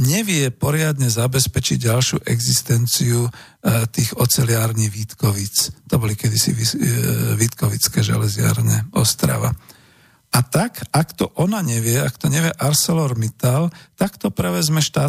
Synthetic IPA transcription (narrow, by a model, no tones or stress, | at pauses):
ɲɛʋɪɛpɔɾɪad̪ɲɛzabɛspɛt͡ʃiɟɟalʃjuʔɛɡzist̪ɛnt͡siu | t̪iːɣɔt͡sɛlɪaːɾniɣʋit̪kɔʋit͡st̪ɔbɔlikɛd̪isḭʋiʋit̪kɔʋit͡skɛʒɛ̰lɛzɪa̰ɾɲɛ̰ɔst̪ɾa̰ʋa̰ | at̪akakt̪ɔʔɔnaɲɛʋɪɛakt̪ɔɲɛʋjɛʔaɾsɛlɔɾmit̪alt̪akt̪ɔpɾɛʋɛzmɛʃt̪aː